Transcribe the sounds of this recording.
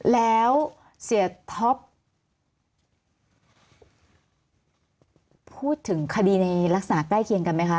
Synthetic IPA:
lɛː˦˥w | si˨˩˦ət̪ʰo˦˥p | uː˥˩t̪ʰːɯ˩˦ŋkʰa˧diː˧na˧jla˦˥k̚sa˨naː˩˦˥k̪aː˥˩jkʰi˧əŋka˧nma˦˥jkʰa˦˥

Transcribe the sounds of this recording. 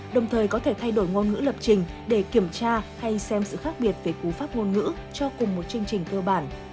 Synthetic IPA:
ɗə˨˩wŋ͡mt̪ʰəː˨˩jkɔ˨˦t̪ʰe˧˩t̪ʰa˧jɗo˧˩jŋo˧nŋɨ̰˧˥lə˨˩p̚t͡ɕï˨˩ŋ̟ɗe˧˩ki˧˩əmt͡ɕaː˧ha˧jsɛ˧msɨ̰˧˨xaː˦˥k̚ɓi˨˩ət̚ve˨˩ku˨˩faː˦˥p̚ŋo˧nŋɨ̰˧˥ | t͡ɕɔ˧kʊ˨˩ŋ͡mmo˨˩t̚t͡ɕɨ˧əŋt͡ɕï˨˩ŋ̟kəː˧ɓaː˧˩n

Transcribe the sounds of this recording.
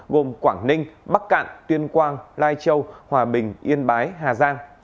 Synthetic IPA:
ɣo˨˩mkwaː˧˩ŋnï˧ŋ̟ɓa˦˥k̚ka̰ː˧˨nt̪wi˧ənkwaː˧nlaː˧jt͡ɕə˧whwaː˨˩ɓï˨˩ŋ̟ʔi˧ənɓaː˨˦jɦaː˨˩zaː˧ŋ

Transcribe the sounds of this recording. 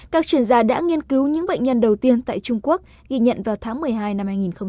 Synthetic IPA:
kaː˦˥k̚t͡ɕwi˧˩ənzaː˧ɗa̰ː˧˥ŋi˧ənki˨˦wɲɨ̰˧˥ŋɓa̰˧˨j̟ɲə˧nɗə˨˩wt̪i˧ənt̪a̰ː˧˨jt͡ɕʊ˧ŋ͡mku˦˥ək̚ | ɣi˧ɲə̰˧˨nvaː˨˩wt̪ʰaː˨˦ŋmɨ˨˩əjɦaː˧jna˧mhaː˧jŋi˨˩nxə˧wŋ͡m

